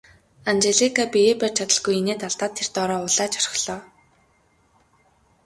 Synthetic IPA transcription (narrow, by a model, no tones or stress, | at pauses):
ant͡ɕeɮikapijeːpæːr̥t͡ɕʰat̪ə̆ɮɡujeneːt̪aɮt̪aːt̪ʰːert̪ɔɾɔːʊɮaːt͡ɕɔr̥̆ɮɔː